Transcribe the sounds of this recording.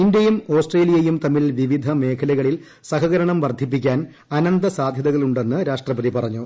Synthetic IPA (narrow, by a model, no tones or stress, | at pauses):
ind̪jɐjumo̞ːsʈreːlijɐjumt̪ɐmːilʋiʋid̪ʱɐme̞ːkʰɐlɐɣɐɭil | sɐɦɐɣɐɾɐɳɐmʋɐrd̪ʱip̬ːik̬ʲːaːn | ɐnɐnd̪ɐsaːd̪ʱjɐðɐɣɐɭuɳɖe̞nːɨɾaːʂʈrɐpɐd̪ipɐrɐɲːu